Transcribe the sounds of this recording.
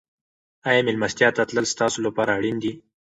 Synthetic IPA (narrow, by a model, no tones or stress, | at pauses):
ɑjɑmɪlmast̪jɑt̪at̪ləlst̪ɑsolapɑɾaːɽind̪i